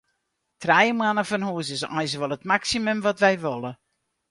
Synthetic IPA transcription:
trɛjəmwanəfɔnhuːəs̬ɪsɔ̰js̬ʋɔlˠətmaksimømʋɔtʋɛjʋɔlˠə

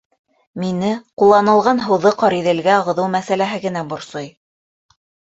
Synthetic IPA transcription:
minɘqulˠːɑnɤ̆lˠʁɑnɦɤ̆wðɤqɑɾiðɘ̆lɡæʁɤ̆ðɤwmæsælæɦɘɡɘ̆næbŏɾsoj

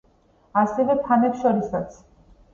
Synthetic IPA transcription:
asivɛt̪ʰanɛpʃɔɾisat̪sʰ

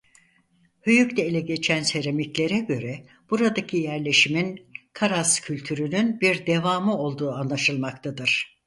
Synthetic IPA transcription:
hyjyct̪ʰɛilʲɛɟe̞t͡ʃʰænse̞ɾemiclʲe̞ɾɛɟø̞ɾɛ | b̥uɾad̪acʰijæɾlʲe̞ʃiminkʰaɾascʰylʲt̪ʰyɾynynbiɾd̪e̞vaːmɯo̞lˠd̪uːanlˠaʃɯlˠmakt̪ʰad̪ɯɾ̥

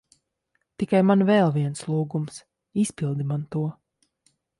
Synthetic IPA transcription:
t̪ikajmanvɛlˠviɛnslˠuːɡums | isʲpilˠd̪imant̪uɔ

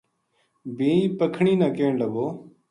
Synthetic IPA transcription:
bʱĩːĩːpəkʰɳiːnãːkeːɳləɡoː

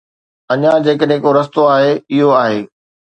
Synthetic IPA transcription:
ɐɲãd͡ʑeːkəɗɦẽkoɾɐst̪oaːɦeɪɦoaːɦeː

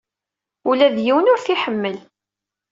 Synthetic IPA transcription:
ulæðjiwənʊɾθiħəmːəl

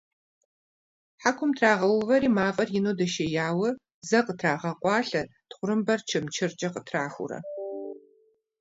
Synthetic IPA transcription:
ħakʷʰʊmtʰraːʁɐlvɐɾiːmaːqʼɐrjɪnuːdɐʃɐjaːwɐ | zɐqətʰraːʁɐqʷʼɑːɬɐtχʷʊrɨmbɐrt͡ʃʰɪmt͡ʃʰɪrt͡ʃʼɐqətʰraːxʷʊ̰ɾɐ̰

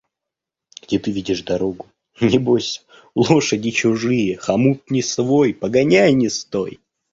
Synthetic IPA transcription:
ɡ̥dʲet̪ɨvʲidʲɪʂd̪ɐɾo̞ɡʊ | nʲɪbosʲ | lˠo̞ʂədʲɪt͡ɕʊʐɨjəxɐmut̪̚nʲɪsvo̞jpəɡɐnʲajnʲɪst̪oj

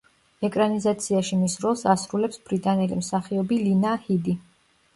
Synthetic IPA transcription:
ɛkʼɾanizat̪sʰiaʃimisɾɔlˠsasɾulɛpsb̥ɾit̪ʼanɛlḭmsaχiɔbilinahid̪i

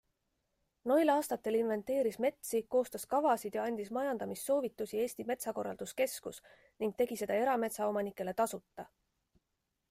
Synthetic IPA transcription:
no̞jlɑːst̪ɑt̪ːˑe̞linve̞nt̪ːˑe̞ːɾisme̞t̪siko̞ːst̪ɑskɑvɑsid̪̥jɑɑnʲd̪̥ismɑjɑnd̪ɑmisːo̞ːvit̪ːˑusie̞ːsʲt̪ime̞t̪sɑko̞rːɑ̰ld̪̥uske̞skus | niŋɡ̥̚t̪e̞ɡ̥ise̞d̪̥ɑe̞ɾɑme̞t̪sɑo̞mɑnikːˑe̞le̞t̪ɑsut̪ˑːɑ

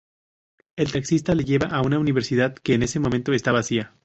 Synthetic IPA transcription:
e̞lt̪aksist̪ale̞ʝe̞βaʔaunauniβe̞ɾsið̞aðke̞ːne̞semoment̪o̞e̞st̪aβasia

